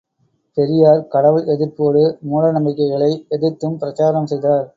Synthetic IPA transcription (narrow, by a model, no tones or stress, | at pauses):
pɛɾɪjaːɾkɐɽɐʋɯɭɛðɪɾpoːɽɯmuːɽɐnɐmbɪkːɐɪɣɐɭɐɪɛðɪt̪ːɯmpɪɾɐt͡ʃaːɾɐmsɛjðaːɾ